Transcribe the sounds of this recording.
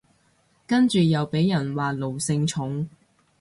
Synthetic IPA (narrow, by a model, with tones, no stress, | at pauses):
kɐ˥nt͡ʃyː˨jɐ˨wpe˨˥jjɐ˨˩nwaː˨lo˨˩wsɪ˧ŋt͡ʃʰʊ˨˥ŋ